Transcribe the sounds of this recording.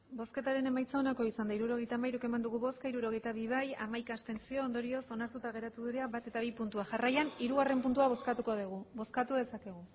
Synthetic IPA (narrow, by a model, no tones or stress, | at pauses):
bo̞ske̞t̪aɾe̞ne̞majt͡saonako̞isand̪aiɾuɾo̞ɣ̞e̞jt̪amajɾuke̞mand̪uɣuβo̞skaiɾuɾo̞ɣ̞e̞jt̪aβ̞iβ̞aja̰majkaːst̪e̞nt͡sio̞ːnd̪o̞ɾio̞so̞naɾt̪ut̪aɣe̞ɾat̪uðiɾeaβat̪e̞t̪aβ̞ipunt̪uaʝarajaniɾuɣare̞mpunt̪uaβo̞skat̪ukoðeɣ̞ubo̞skat̪uðe̞sake̞ɣ̞u